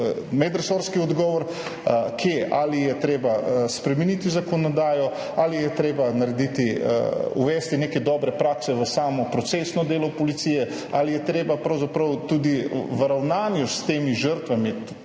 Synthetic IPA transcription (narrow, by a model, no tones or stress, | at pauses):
mɛd̪ɾsɔɾskiɔd̪ɡɔːʋɔɾ | kʰjeːʔaːlijɛt̪ɾeːbaspɾɛminit̪izakɔnɔd̪aːjɔ | alijɛt̪ɾeːbanaɾɛd̪it̪iuʋɛːst̪inekɛd̪ɔːbɾɛpɾaːksɛʋəsaːmɔpɾɔt̪sesnɔd̪eːlɔpɔlit̪sijɛ | alijɛt̪ɾeːbapɾɐwzapɾɐwt̪uːd̪iʋəɾawnaːnjust̪eːmiʒəɾt̪ʋami